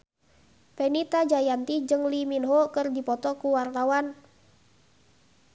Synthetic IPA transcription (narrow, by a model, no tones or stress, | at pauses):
pɛnit̪ad͡ʒajant̪id͡ʒɨŋliminɦɔkɨrdipɔt̪ɔkuwart̪awan